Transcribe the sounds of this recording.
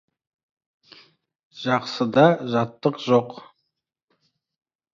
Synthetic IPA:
ʒ̥ɑqsəd̪ɑʒɑt̪ːəqʒoq

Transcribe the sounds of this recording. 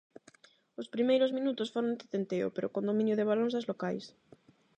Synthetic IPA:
ospɾimejɾozmĩnut̪ʊsfoɾõnd̪et̪ent̪eo̰peɾokond̪omĩnjʊðeβalõnzðazlokajs

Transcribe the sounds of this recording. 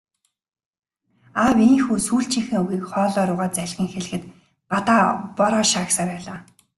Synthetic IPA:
awiŋxuːsuːɬt͡ɕʰĭŋxɘ̆ŋuɣiːkχɔːɮɔːɾʊːʁaːt̪t͡sæɮʲʁʲĭːŋxeɮɘ̆xɘ̆t̪ | ɢat̪aːpɔɾɔːʃaːksaːɾpæːɮaː

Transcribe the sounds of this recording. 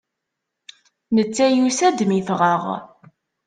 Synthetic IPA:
nət͡sːæjusæd̪mifʁəʁ

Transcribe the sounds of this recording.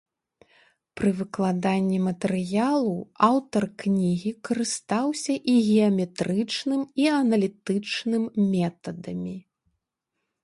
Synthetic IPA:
pɾɨvɨklˠad̪anʲːimɐt̪ɛɾɨjalˠuawt̪ɐrknʲiɣʲikɐɾɨst̪awsʲɐʔiɣʲɛɐmʲɛt̪ɾɨt͡ʂnɨmiɐnɐlʲit̪ɨt͡ʂnɨmːʲɛt̪ɐd̪ɐmʲi

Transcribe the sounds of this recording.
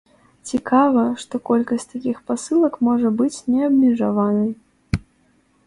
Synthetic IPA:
t͡sʲikavɐʂt̪ɔkɔlʲkɐsʲt͡sʲt̪akʲixpasɨlˠɐkmɔʐɐbɨt͡sʲnʲɛɐbmʲɛʐavanɨj

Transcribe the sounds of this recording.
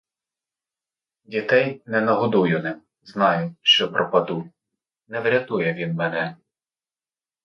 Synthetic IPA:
dʲit̪ɛjnɛnɐɦɔd̪ujʊnɪm | znɑjʊʃt͡ʃɔpɾʔɔpɐd̪u | nɛʋɾʲɐt̪ujɛʋʲinmɛnɛ

